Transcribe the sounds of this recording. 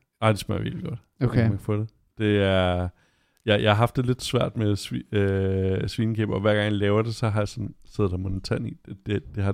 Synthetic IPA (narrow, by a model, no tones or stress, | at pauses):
ɑ̈ɪ̰d̥esmḛiḛɡ̥lɡ̥ɔ̽d̥ | omæeɡ̥fɔd̥e | d̥e̝æɐ | jɑjɑ̈hɑ̈ɦɑ̈fd̥ːe̝le̝d̥sʋæɐ̰d̥mesiøsʋiːnəkʰḛːb̥ɒ̽ʋæɐ̰ɡ̥ɑ̈ŋjlɛːʊɐd̥e̝sɒ̽ɦɑ̈jasɒ̽nse̝ðˠd̥ɑmonət͡sʰænḭd̥d̥ed̥e̝ɦɑ̈